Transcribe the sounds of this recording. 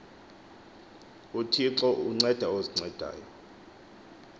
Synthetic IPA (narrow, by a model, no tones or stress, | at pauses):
utʰiǁɔʔuŋ͡ǀɛd̥ʱaoziŋ͡ǀɛd̥ʱa̰ːjɔ